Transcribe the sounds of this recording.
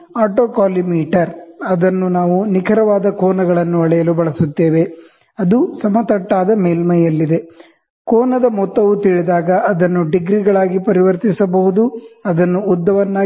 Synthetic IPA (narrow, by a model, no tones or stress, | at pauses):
aːʈoːkaːlimiːʈɐɾɐd̪ɐnːunaːʋunikʰɐɾɐʋaːd̪ɐkɔːnɐɡɐɭɐnːuɐɭɛjɐlubɐɭɐsut̪ːeːʋe̞ | ɐd̪usɐmɐt̪ɐʈːaːd̪ɐmeːlmɐjɐlːid̪e̞ | kɔːnɐd̪ɐmɔt̪ːɐʋut̪iɭid̪aːɡɐʔɐd̪ɐnːuɖiɡɾiɡɐɭaːɡipɐɾiʋɐɾt̪isɐbɐɦud̪uɐd̪ɐnːuːd̪ːɐʋɐnːaː